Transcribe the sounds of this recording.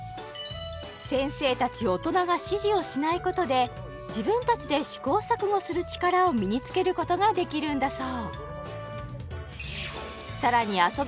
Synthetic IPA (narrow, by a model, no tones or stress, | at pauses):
sẽ̞ɰ̃se̞ːt̪at͡ɕio̞t̪o̞naɡaɕiʑio̞ɕinaiko̞t̪o̞d̪e̞ | d͡ʑibɯ̟̃nt̪at͡ɕid̪e̞ɕi̥ko̞ːsakɯ̟ɡosɨɾɯ̟t͡ɕi̥kaɾao̞mʲiɲ̟it͡sɨ̥ke̞ɾɯ̟ko̞t̪o̞ɡad̪e̞kʲiɾɯ̟̃nd̪asoː | saɾaɲ̟iaso̞